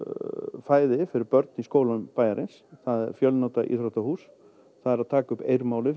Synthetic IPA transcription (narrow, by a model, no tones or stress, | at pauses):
faːjðɪfɪɾɪɾpœɾt̪̚niskoːwlampaːjaɾʔɪnsθaðɛ̰ɾ̥fjœlnowt̪aʔḭθɾot̪ahuːs | θaðɛɾaðt̪ʰaːkʏpejɾmaːwlɪɾ